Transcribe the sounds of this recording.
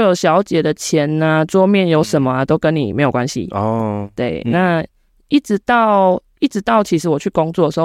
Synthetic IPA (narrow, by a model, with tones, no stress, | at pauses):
jo˨˩ʊɕjɑ˧˦ʊt͡ɕjɛ˨˩d̪ə˩t͡ɕʰjɛ˨˦na˧t͡swɔ˥˧mjɛ˥˨njo˧˥ʊʂə˨˩nmə˨a˨t̪o˥ʊkə˧˦nːḭ˨˩me˧˥jo˨˩kwa˦nɕḭ˨ɔ˨t̪we˥˩ɪna˥˧ | i˥˩ʈ͡ʂɻ̩˧˦t̪ɑ˥˨ʊ | i˥˩ʈ͡ʂɻ̩˧˦t̪ɑ˥˩ʊt͡ɕʰi˧˥ʂ̬̩˧˥wɔ˨˩t͡ɕʰy˥˩kɔ˦ŋt͡swɔ˥˨dʂ̩˧x